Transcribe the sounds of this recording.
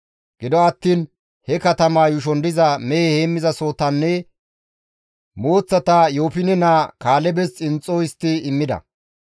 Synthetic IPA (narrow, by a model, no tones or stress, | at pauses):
ɡ̥ɪd̪ɔɐt̪ːiːn | hɛkɐt̪ɐmaːjʊʃ̬ɔnd̪ɪzɐmɛjheːmːɪzɐsoːt̪ɐnːɛ | moːt͡sːɐt̪ajo̞ːpɪnɛnaːkaːlɛbɛst͡sʼɪnt͡sʼːoɪst̪ːɪɪmːɪd̪ɐ̰